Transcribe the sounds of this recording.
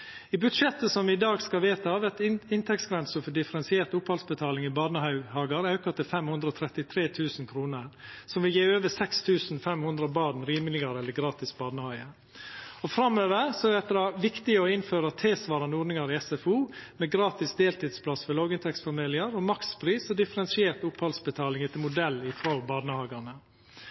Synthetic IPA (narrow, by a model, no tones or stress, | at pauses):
ibʉd̪ʂɛt̪ːəsɔmʋɪɪd̪ɑːɡskɑlʋeːt̪ɑʋɛt̪ɪnt̪ʰɛksɡɾɛnsəfɔɖɪfəɾɛnsɪeːɾt̪ʊphɑlsbət̪ʰɑːlɪŋɪbɑːnəhɑʉhɑːɡɑɾɑʉkɑt̪ɪlfɛmhʉnd̪ɾəɔt̪ʰɾɛt̪ɪt̪ʰɾeːt̪ʰʉːsnkʰɾuːnəɾsɔmʋɪljeːøːʋəsɛkst̪ʰʉːsnfɛmhʉnd̪ɾəbɑːɾnɾiːmlɪɡɑɾɛlːəɾɡɾɑːt̪ɪsbɑːd̪nəhɑʏə | ɔfɾɑmːøːʋəɾsɔɛt̪ɛd̪ɑʋɪkt̪ɪəɔɪnføːɾət̪ʰeːsʋɑːɾɑnəɔːɖ̪nɪŋɑɾɪɛsɛfuːmɛɡɾɑːt̪ɪsd̪eːlt̪ɪd̪spʰlɑsfɔlɔːɡɪnt̪ʰɛksfɔmeːlɪɑɾɔmɑkspʰɾiːsɔd̪ɪfəɾɛnsɪeːɾt̪ʊpʰhɑlsbət̪ʰɑːlɪŋɛt̪ʰɪlmʊd̪ɛlːɪfɾoːbɑːd̪nəhɑːɡɑɳə